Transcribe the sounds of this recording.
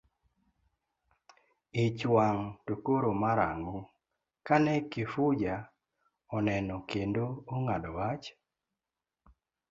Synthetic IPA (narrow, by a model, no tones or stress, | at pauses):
ɪt͡ʃwaŋtokoɾomaɾa̰ŋɡo | kanɛkifʊd͡ʒa | ɔnɛnɔkendoːŋadɔwat͡ʃ